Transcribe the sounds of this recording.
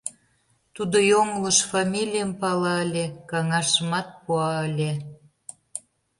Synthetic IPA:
t̪ud̪ojoŋləʃfɑmʲilʲijəmpɑlɑəlʲekɑŋɑʃə̆mɑt̪̚puɑəlʲe

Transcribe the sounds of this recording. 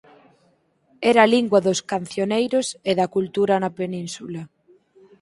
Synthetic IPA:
ɛɾaliŋɡwaðʊskanθjonejɾʊseðɐkult̪uɾɐnɐpenĩnsula

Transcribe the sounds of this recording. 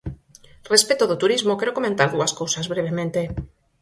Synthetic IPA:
respet̪oðot̪uɾizmokeɾokomẽnt̪aɾðuaskowsazβɾeβ̞emẽnt̪e

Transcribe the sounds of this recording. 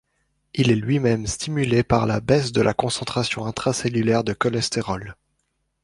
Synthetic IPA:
ilɛlɥimɛmst̪ʰimylepaʁlabɛsd̪əlʔakɔ̃sɑ̃t̪χasjɔ̃ɛ̃t̪χasɛlylɛʁd̪əkɔlɛst̪eʁɔl

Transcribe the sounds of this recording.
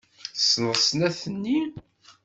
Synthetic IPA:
snəʁsnæθənːi

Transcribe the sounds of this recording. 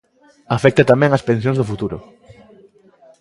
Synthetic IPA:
afɛk̚t̪at̪amɛ̃ŋɐspẽns̬jõŋzðʊfut̪uɾʊ̰

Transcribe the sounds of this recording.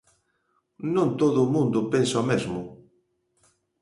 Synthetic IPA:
nõnt̪oðʊːmũnd̪ʊpensɔmezmʊ

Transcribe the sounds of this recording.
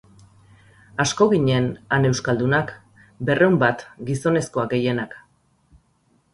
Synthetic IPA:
asko̞ɣiɲe̞nane̞wskald̪unak | be̞rʔe̞umbat̪ɡiso̞ne̞sko̞aɡe̞je̞nak

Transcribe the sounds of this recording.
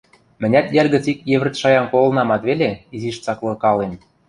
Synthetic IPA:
mɘ̆nʲæt̪jerʲɣə̆t͡sikjeβɘ̆rt̪ʃɑjɑnkolɤ̆nɑmɑt̪βelʲeiziʃt͡sɑklɤ̆kɑlen

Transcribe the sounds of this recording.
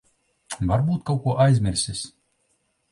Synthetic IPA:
vaɾbuːt̪̚kawkuɔʔajzʲmʲɪɾʲsʲɪsʲ

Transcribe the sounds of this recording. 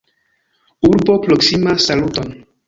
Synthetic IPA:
uɾbopɾoksimasaluton

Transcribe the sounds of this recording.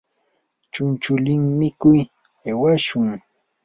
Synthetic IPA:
t͡ʃʊnt͡ʃʊlɪŋmɪkʊj | ewaʃʊŋ

